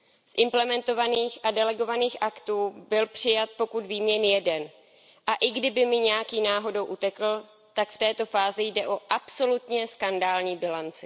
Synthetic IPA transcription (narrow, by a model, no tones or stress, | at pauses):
sʔɪmplɛmɛnt̪o̞vaniːxʔadɛlɛɡo̞vaniːxʔakt̪uːbɪlpr̝̥ɪjat̪̚po̞kut̪viːmɲɛnjɛdɛn | ʔaʔɪɡdɪbɪmɪɲɛjakiːnaːɦo̞do̞wʔut̪ɛkl̩ | t̪akft̪ɛːt̪o̞faːzɪjdɛʔo̞ʔapso̞lut̪ɲɛskandaːlɲiːbɪlant͡sɪ